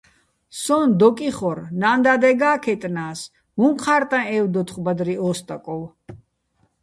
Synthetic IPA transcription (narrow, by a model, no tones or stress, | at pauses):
sɔnd̪ɔkʼiχɔɾnand̪ad̪ɛɡaːkʰɛt̪ʼnaːs | mumqʰaɾt̪ʼãɛwd̪ɔt̪χbad̪ɾiɔst̪ʼakʼɔw